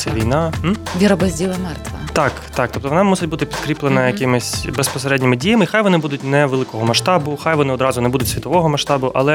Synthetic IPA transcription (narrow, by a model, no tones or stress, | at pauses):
sʲɛʋʲijnɑʋʲiɾɐbɐzʲdʲilˠɐmɛrt̪ʋɐ̰t̪ɑkt̪ɑk̚t̪ɔpt̪ɔʋɔnɑmusʲɪtʲbut̪ɪpʲit̪kɾʲiplenɐjɐkɪmɪsʲbespɔseɾɛdʲnʲɪmɪdʲijɐmɪxajʋɔnɪbud̪ʊtʲnɛʋelˠɪkɔɦɔmɐʃt̪ɑbʊxajʋɔnɪɔd̪ɾɑzʊnɛbud̪ʊtʲsʲʋʲit̪ɔʋɔɦɔmɐʃt̪ɑbʊʔɐ̰lˠɛ